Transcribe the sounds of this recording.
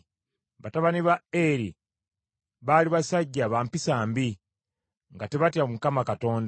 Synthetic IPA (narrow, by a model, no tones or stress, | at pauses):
βataβaniβaeɾi | βaːliβasaɟːaːβaːmpisaːmbi | ŋɡate̞βatjamukamakato̞ːnd